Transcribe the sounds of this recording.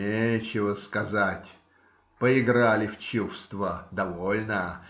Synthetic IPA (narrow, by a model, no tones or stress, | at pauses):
et͡ɕɪvəskɐzatʲ | pəɪɡɾalʲɪft͡ɕufst̪vəd̪ɐvolʲnə